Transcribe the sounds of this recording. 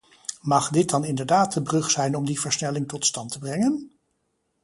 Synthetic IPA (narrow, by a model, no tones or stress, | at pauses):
mɑχdɪt̚dɑnɪndəɹdaːtəbrɵχsɛjnɔmdivəɹsnɛlɪŋtɔtstɑntəbrɛŋən